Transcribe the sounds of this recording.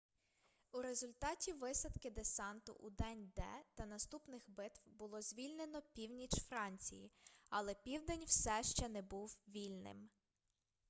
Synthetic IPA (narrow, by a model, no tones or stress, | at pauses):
uɾezʊlʲt̪ɑtʲiʋɪsɐt̪kɪd̪esɑnt̪ʊ̰ʔud̪ɛnʲd̪ɛ̰t̪ɐnɐst̪upnɪxbɪt̪wbʊlˠɔzʲʋʲilʲne̞nɔpʲiwnʲit͡ʃfɾɑnʲt͡sʲḭjḭɐlˠɛpʲiwd̪ɛnʲw̥sɛʃt͡ʃɛnɛbuwʋʲilʲnɪ̰m